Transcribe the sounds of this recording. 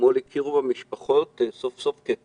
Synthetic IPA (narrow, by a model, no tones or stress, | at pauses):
molikʰiʁubamiʃpaχotsofsofke